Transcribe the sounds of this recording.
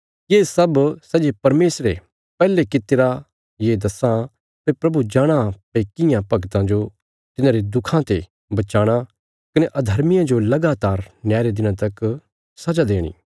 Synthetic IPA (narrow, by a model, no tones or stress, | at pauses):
jeːsɐbsɐd͡ʒepɐɾmeːsɾe | pɛːlekɪt̪eɾa | jeːd̪ɐsã | pepɾɐbud͡ʒaːɽ̃ãpekɪjãpɐɡt̪ãd͡ʒo | t̪ɪnãːɾed̪ʊkʰãt̪e | bɐt͡ʃaːɽ̃a | kɐneʔɐd̪ʱɐɾmɪjãd͡ʒolɐɡaːt̪aːɾnjaːɾed̪ɪnãt̪ɐk | sɐd͡ʒad̪eːɽ̃ḭː